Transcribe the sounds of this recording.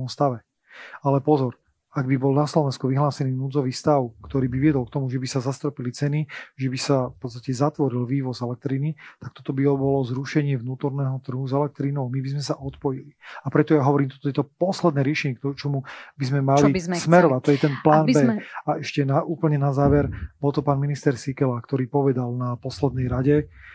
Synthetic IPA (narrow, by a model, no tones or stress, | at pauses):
ɔmst̪aʋɛ | alɛpɔzɔɾ | aɡ̚bibɔlnaslɔʋɛnskuʋiɦlaːsɛniːnuːd͡zɔʋiːst̪aʊkt̪ɔɾiːbiʋɪɛd̪ɔlkt̪ɔmuʒɛbisazast̪ɾɔpilit͡sɛniʒɛbisafpɔt̪t͡st̪acɛzat̪ʋɔɾilʋiːʋɔzɛlɛk̚t̪ɾinit̪akt̪ɔt̪ɔbibɔlɔzɾuʃɛɲɪɛʋnuːt̪ɔɾnɛːɦɔt̪r̩ɦuzɛlɛk̚t̪ɾiːnɔʊmibizmɛsaʔɔt̪pɔjiliapɾɛt̪ɔjaɦɔʋɔɾiːmt̪ɔt̪ɔjɛt̪ɔpɔslɛd̪nɛːɾɪɛʃɛɲɛkt̪t͡ʃɔmubizmɛmalismɛɾɔʋat̪ːɔjɛt̪ɛnplaːnbɛaɛʃcɛnaʔuːpl̩ɲɛnazaːʋɛɾbɔlˠt̪ɔpaːnminist̪ɛɾsikɛlakt̪ɔɾiːpɔʋɛd̪alnapɔslɛd̪nɛjɾaɟɛ